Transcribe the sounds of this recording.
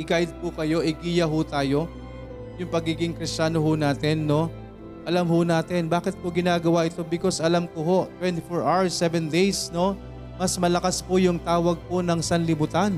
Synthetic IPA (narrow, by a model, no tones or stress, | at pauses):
ʔɪɡajd̪̚pʊkɐjo̞ʔɪɡiːjɐɦʊt̪aːjo̞ | jʊŋpɐɡiːɡɪŋkɾɪst͡ʃaːnoɦʊnaːt̪ɛnːo̞ | ʔɐlɐmhʊnaːt̪ɛnbaːkɪt̪̚pʊɡɪnaːɡɐwaːʔɪt̪o̞bɪko̞sʔɐlamkoɦo̞ʔt̪wɛnt̪ɪfoɹʔawsɛvɛnd̪ɛjsno̞ | mɐsmɐlɐkaspʊjʊŋt̪aːwɐɡ̚ponɐŋsɐnlɪmʊt̪an